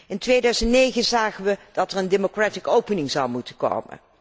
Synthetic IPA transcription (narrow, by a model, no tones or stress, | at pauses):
ɪntʋejdœɥzəntnejχənzaːχənʋəd̥ɑtɛrəndemokratikowpənɪŋzɑwmutəko̰wmə̰n